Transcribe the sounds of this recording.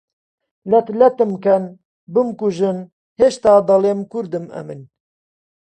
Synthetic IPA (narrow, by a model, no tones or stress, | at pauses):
lɛt̪lɛt̪ɨmkɛn | bɨmkuʒɨn | heːʃt̪aːd̪ɑleːmkuɾd̪ɨmɛ̰mɨn